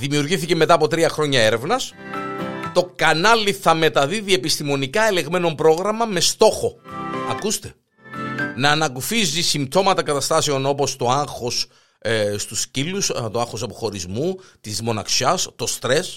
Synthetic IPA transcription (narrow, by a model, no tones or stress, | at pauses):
ðimiuɾʝiθiceme̞t̪ɐːpo̞t̪ɾiɐxɾo̞ɲɐe̞ɾe̞vnɐs | t̪o̞kɐnɐliθɐme̞t̪ɐðiðiepist̪imo̞nikɐe̞le̞ɣme̞no̞mpɾo̞ɣɾɐmɐme̞st̪o̞xo̞ɐkust̪e̞̥ | nɐːnɐkufizisimt̪o̞mɐt̪ɐkɐt̪ɐst̪ɐse̞o̞no̞po̞st̪o̞ɐŋxo̞s | st̪uscilust̪oɐŋxo̞sɐpoxo̞ɾizmut̪izmo̞nɐ̰ksɐst̪o̞st̪ɾe̞s